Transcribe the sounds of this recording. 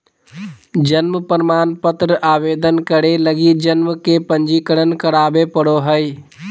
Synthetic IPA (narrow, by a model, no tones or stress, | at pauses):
d͡ʒənməpəɾmaːnpət̪ɾəʔaʋed̪ənkəɽeləɡid͡ʒənməkepənd͡ʒikəɽənkəɾabepəɽoɦəj